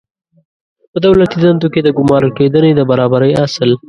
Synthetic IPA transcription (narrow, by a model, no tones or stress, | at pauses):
pəd̪awlat̪id̪ant̪oked̪əɡʊmɑɾəked̪əned̪əbaɾɑbaɾəjasəl